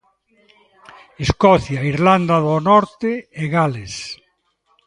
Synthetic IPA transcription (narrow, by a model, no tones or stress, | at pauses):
eskɔθjaiɾland̪aðonɔɾt̪eeɣales